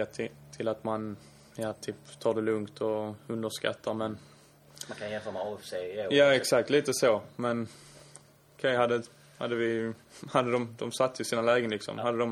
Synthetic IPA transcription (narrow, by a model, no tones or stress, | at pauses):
at̪ʰt̪ʰɪlat̪man | jaːt̪ʰyːpt̪ʰɑːɖ̪ɛlɵŋkt̪ʰɔɵnd̪əʂka̰t̪ʰːaɾmɛn | makʰajɛnfœːɾmɛfsejaːɛksakt̪ʰliːt̪əsomɛn | ɔkʰɛjɦad̪ːə | ha̰d̪ːəvɪ | had̪ːəd̪ɔmd̪ɔmsat̪ːəɪsiːnalɛːɡənlɪksɔ̰mhad̪ːəd̪ɔm